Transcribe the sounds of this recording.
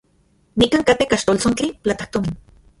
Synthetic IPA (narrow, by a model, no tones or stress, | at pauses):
nikaŋkat̪ekaʃt̪olt͡sont͡ɬipt͡ɬat̪ḁht̪omin